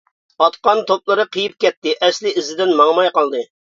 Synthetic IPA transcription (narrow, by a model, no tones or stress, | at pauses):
ɑt̪qɑnt̪ʰop̚lˠɨɾɨqʰəjip̚kʲɛt̪ːɪʔɛslɪizɪd̪ɪnmɑŋmɑjqɑlˠd̪ɨ